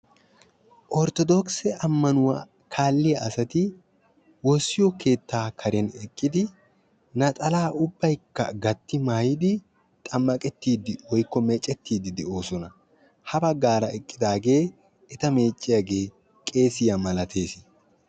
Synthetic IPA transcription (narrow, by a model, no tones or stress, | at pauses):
ʔɔɾt̪ɔd̪ɔksɛʔɐmːɐnʊwaː | kʰaːlːɪjɐʔɐsɐt̪ɪ | wɔsːɪjɔke̞ːt̪ːaːkʰɐɾɛnɛkʼːɪd̪ɪ | nɐt̪ʼɐlaːʔʊbːɐjkːɐ̰ɡɐt̪ːɪmaːjɪd̪ɪ | t̪ʼɐmːɐkʼɛt̪ːiːd̪ɪwɔjkːɔmɛt͡ʃʼːɛt̪ːiːd̪ɪd̪ɛo̞ːsɔnɐ | hɐbɐɡaːɾɐɛkʼːɪd̪aːɡe̞ː | ɛt̪ɐme̞ːt͡ʃʼːɪjɐɡe̞ː | kʼe̞ːsɪjɐmɐlɐt̪ʰe̞ːsɪ